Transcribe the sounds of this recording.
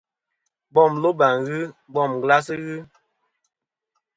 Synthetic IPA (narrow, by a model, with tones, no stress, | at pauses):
bɔ˦˨mlo˦ba˨ŋɣɨ˦bɔ˦˨m˨ɡla˦s̬i˦ɣɨ˦